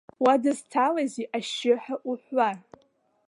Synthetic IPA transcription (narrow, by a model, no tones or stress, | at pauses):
wadɨztʰalaziʔaʃɪħaʔuħʷar